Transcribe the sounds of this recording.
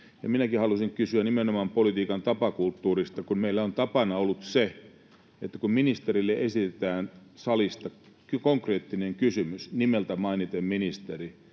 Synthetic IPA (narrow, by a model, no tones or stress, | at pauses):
jɑ̰minækihɑlusiŋkysyænimenomɑmpolit̪iːkɑnt̪ɑpɑkult̪ːuːrist̪ɑkunmeilːæont̪ɑpɑnɑolːˑut̪se | et̪ːækumminist̪erilːeʔesit̪et̪æːn | sɑlist̪ɑ | kkoŋkreːt̪ːineŋkysymysnimelt̪æmɑinit̪emminist̪eri